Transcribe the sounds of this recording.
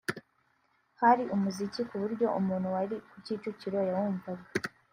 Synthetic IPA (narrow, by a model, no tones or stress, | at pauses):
haɾiʔumuzicikuβuɾɟo̞ʔumuːnhuwaɾikuciːt͡ʃuciɾo̞jawuːmvaɡa